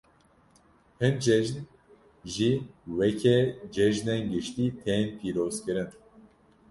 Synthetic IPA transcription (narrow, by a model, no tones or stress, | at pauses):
hɨnd͡ʒɛʒn | ʒiwɛkʰɛd͡ʒɛʒnenɡɨʃt̪iːt̪ʰeːnpʰiːɾoːzkɨɾɨn